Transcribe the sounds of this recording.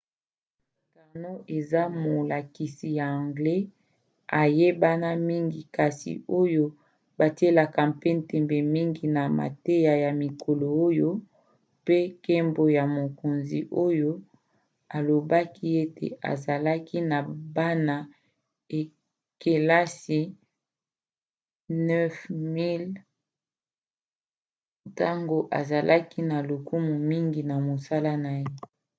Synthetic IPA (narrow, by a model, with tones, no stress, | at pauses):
ɡa˨no˦ʔe˨za˦mo˨la˨ki˨si˨ja˨ã˨ŋɡlɛ˦ | a˨je˦ba˦na˦mi˦ŋɡi˨ka˨sḭ˨o˦jo˦ | ba˨ti˦e˦la˨ka˨pe˦n˨tɛ˨mbɛ˨mi˦ŋɡi˨na˨ma̰˨te˦ja˨ja˨mi˨kʰo˨lo˨o˦jo˦ | pe˦ke˦mbo˦ja˨mo˨ko˨nzi˨ʔo˦jo˦ | a˨lo˨ba˦ki˦e˦tḛ˨a̰˨za˨la˦ki˦na˨ba˦na˨ | e˨ | ke˨la˦si˨ | nɛ˦fmi˦l | ta˦ŋɡo˦ʔa˨za˨lʔa˦ki˦na˨lo˨ku˦mu˨mi˦ŋɡi˨na˨mo˨sa˦la˦na˨je˦